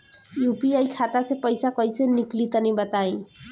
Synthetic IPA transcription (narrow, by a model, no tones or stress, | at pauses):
jupiajkʰat̪asepʌjsakɔjseniklit̪ʌnĩbʌt̪aĩ